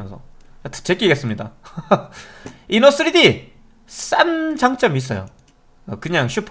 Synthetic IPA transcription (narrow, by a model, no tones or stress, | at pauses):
nsʰʌt͈ɯ̥t͡ɕʰek͈iɡe̞s͈ɯmɲida | inos͈ɯɾidi | s͈and͡ʑaŋt͡ɕ͈ʌmis͈ʌ̰jo̰ | kɯɲaŋɕʰupʰ